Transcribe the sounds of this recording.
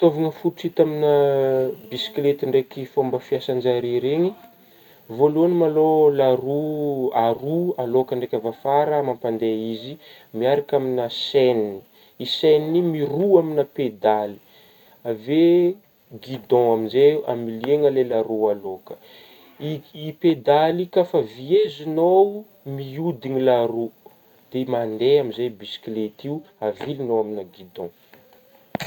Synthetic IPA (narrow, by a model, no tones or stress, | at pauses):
t̪ovaŋəfuʈ͡ʂit̪aminəbisi̥klet̪iɳɖ͡ʐekifombəfiasand͡ʒaɾiɾeŋi | voluanimalolaɾuarualokəɳɖ͡ʐekʲavafaɾəmampand̪eizi | miaɾakʲaminəsenni | isenimiruaminəped̪ali̥ | ave | ɡid̪ɔ̃aminzea̰milieŋəlelaɾoalokə̥ | iiped̪alikafaviezinow | miud̪inilaɾo | d̪̥emand̪eamizejbisi̥klet̪iu | avilinowaminaɡid̪ɔ̃